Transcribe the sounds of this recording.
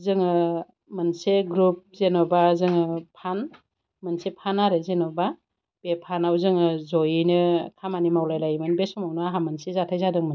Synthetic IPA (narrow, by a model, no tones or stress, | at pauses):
zɯŋɯ | mɯnseɡɾup̚zenɔbazɯŋɯpʰan | mɯnsepʰanaɾezenɔba | b̥epʰanawzɯŋɯzɔjɯnɯkʰamanimawlajlajmɯnbesɔmawnɯaɦamɯnsezatʰajzadɯŋmɯ